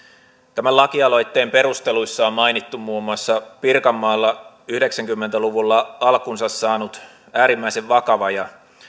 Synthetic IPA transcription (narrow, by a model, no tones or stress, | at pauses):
t̪æmælɑkiɑlo̞jt̪ːe̞ːmpe̞ɾust̪e̞lujsːɑommɑjnit̪ːummuːmuɑsːɑpirkɑmːɑːlːɑ | yhde̞ksæŋkymːent̪æluʋulːɑɑlkunsɑsːɑːnut̪ | æːɾimːæiseʋʋɑkɑʋɑjɑ